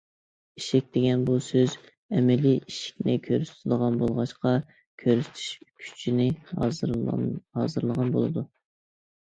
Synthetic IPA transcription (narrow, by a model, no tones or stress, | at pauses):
iʃik̚ʲd̪eɡʲɛnbusøz | ɛmɛliʔiʃi̥k̚ʲnɪkʲʰøɾyst̪ʰɪd̪əʁɑnbolˠʁɑʃqɑ | kʲʰøɾyst̪ʰy̥ʃkʲʰy̥t͡ʃʰinɪ | ɑ̰ːzɨɾlˠəʁɑnbo̰lˠɨd̪u